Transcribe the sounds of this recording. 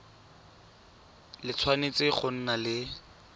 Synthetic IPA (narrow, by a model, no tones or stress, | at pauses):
lɪt͡sʰwanet͡sɪχʊn̩nalɪ